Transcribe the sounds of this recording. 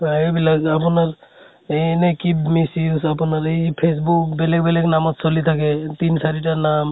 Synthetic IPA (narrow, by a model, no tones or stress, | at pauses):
aejbilakapunaɹ | ɛnɛkibmisiusapunaɹepʰes̬bukbɛlɛɡ̚bɛlɛknamɔtsolit̪ʰakɛtinsaɹitanam